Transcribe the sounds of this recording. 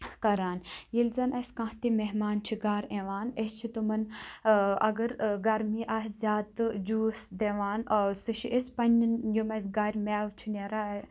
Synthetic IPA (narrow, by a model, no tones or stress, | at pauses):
kɐɾaːnjilzɐnɐsʲkãːɦt̪imeɦmaːnt͡ʃʰiɡaːɾeʋaːnest͡ʃʰit̪umɐn | ɐɡɐɾɡɐɾmiːʔaːɦzʲaːt̪ɨd͡ʒuːsd̪eʋaːnɐsɨʃʰiʔespɐnʲnjumɐsʲɡaːɾʲmaːʋt͡ʃʰineɾaː